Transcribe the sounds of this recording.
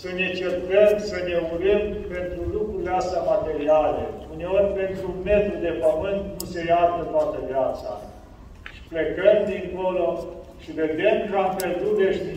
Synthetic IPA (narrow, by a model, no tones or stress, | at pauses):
səne̞t͡ʃert̪əmsəne̞uɾim | pe̞nt̪ɾulukɾuleast̪amat̪e̞ɾialḛune̞o̞rʲpe̞nt̪ɾume̞t̪ɾud̪e̞pəmɨnt̪nuse̞jard̪ət̪oat̪əvjat̪sa̰ | ʃi̥plekəmd̪iŋko̞loʃived̪e̞mkamperd̪uveʃ